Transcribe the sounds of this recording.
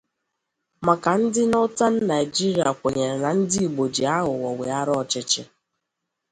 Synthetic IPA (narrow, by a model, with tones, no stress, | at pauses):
ma˨ka˨n̩˦dɪ˦nɔ˦ta˦n̩˦na˨i˨d͡ʒi˦ɾi˨a˨kʷe˨ɲe˨ɾna˨n̩˦di˦i˨ɡ͡bo˨d͡ʒi˨a˦ɦʊ˨wɔ˨we˨a˦ɾɔ˨t͡ʃɪ˦t͡ʃɪ˦